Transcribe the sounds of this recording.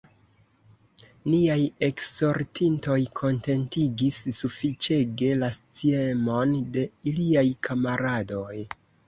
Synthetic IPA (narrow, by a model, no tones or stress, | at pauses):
niaje̞kso̞ɾtinto̞jkʰo̞nte̞ntiɡisːufit͡ʃe̞ɡe̞last͡sie̞mo̞nde̞iliajkʰamaɾado̞j